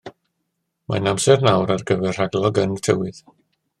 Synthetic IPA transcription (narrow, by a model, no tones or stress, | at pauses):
ma̰namsɛrnawɾarɡəvɛr̥aɡlˠɔɡəntʰəwɪð